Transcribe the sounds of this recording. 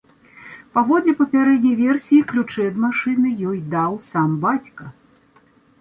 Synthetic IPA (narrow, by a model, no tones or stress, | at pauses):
pavɔd̪lʲɛpɐpʲaɾɛd̪̚ʲnʲɐjvʲɛrsʲijiklʲut͡ʂɛd̪maʂɨnɨjɔjd̪awsambat͡sʲkɐ